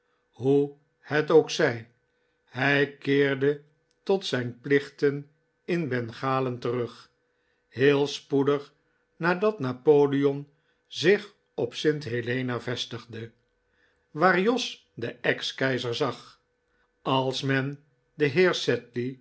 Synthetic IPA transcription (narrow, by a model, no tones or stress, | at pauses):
ɦu | hɛtoʊwksɛj | ɦɛjkɪːɹdə | tɔtsɛjnplɪχtən | ɪnbɛnχaːləntərɵχ | heːlˠspudəχ | naːdɑtnapoːliɔm | zɪχ | ɔpsɪntɦelejnavɛstəχdə | ʋaːɹjɔs | dəɛkskɛjzəɹzɑχ | ɑlˠsmɛn | dəɦɪːɹsɛtli